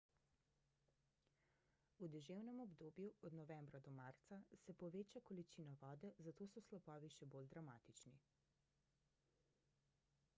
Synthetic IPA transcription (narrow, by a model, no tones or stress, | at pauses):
ud̪ɛʒewnɛmɔbd̪oːbjuɔd̪nɔʋɛmbɾad̪ɔmaɾt̪sasɛpɔʋeːt͡ʃakɔlit͡ʃiːnɔʋɔːd̪ɛzat̪oːsɔslɔpɔːʋiʃɛbold̪ɾamaːt̪it͡ʃni